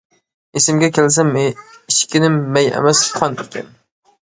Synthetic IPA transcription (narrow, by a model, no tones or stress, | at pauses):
esɪmɡʲɛkʲʰels̬ɛmiʃkʲɪnɪmːɛjɛ̰mɛsχʰɑnekʲɛ̰n